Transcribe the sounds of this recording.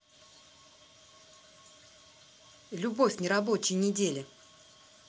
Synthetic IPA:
lʲʊbofʲnʲɪɾɐbot͡ɕɪjnʲɪdʲelʲɪ

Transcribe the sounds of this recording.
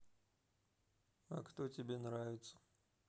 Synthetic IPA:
ɐ̰kt̪otʲɪbʲenɾavʲɪt̪sə̥

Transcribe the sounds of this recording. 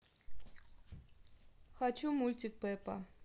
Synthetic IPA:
xɑt͡ʃʰumulʲt̪ʲik̚pɛpa̰

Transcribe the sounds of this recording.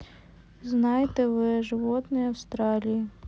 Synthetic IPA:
znɑjet̪ɛʋɪʒeʋɔt̪nɔjɐwst̪ɾɑlʲiji

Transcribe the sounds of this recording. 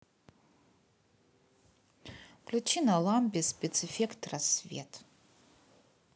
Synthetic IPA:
klʲut͡ʃinalˠamʲpʲispʲet͡sɨfʲekt̪rasvʲḛtʰ

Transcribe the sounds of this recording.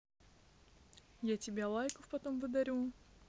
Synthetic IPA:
jatʲɪbʲelˠajkʊfpɐt̪omvɨd̪ɐɾʲu

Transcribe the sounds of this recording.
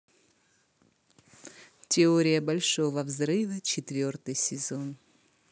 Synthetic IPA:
tʲɪoɾʲɪjəbɐlʲʂovəvzɾɨvət͡ɕɪt̪vʲort̪ɨjsʲɪzon

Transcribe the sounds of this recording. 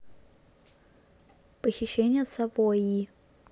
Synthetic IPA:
pəxʲɪɕːenʲɪjəsɐvoji

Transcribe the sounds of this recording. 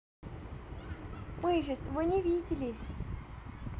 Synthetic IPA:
mɨʒʲɪst̪vɨnʲɪvʲidʲɪlʲɪsʲ

